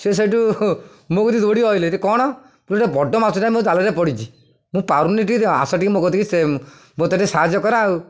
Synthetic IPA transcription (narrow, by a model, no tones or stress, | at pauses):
ses̬eʈu | mokɔt̪it̪oɽiɔjleɾekɔɽ̃ɔ | puʈebɔɖɔmasuʈaĩmod̪aleɾepɔɽit͡ʃi | mũpaɾuniʈik̪a̰sɔʈikimokɔt̪ikise | mot̪ɔʈesaɦad͡ʒɔkɔɾaːu